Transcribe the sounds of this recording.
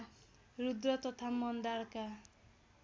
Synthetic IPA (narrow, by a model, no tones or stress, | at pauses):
ɾud̪ɾɔt̪ɔt̪ʰamɔnd̪aɾka